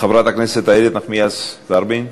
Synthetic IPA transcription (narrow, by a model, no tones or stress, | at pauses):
χavɾat̪akneset̪aiɾet̪naχmijasd̪aɾbin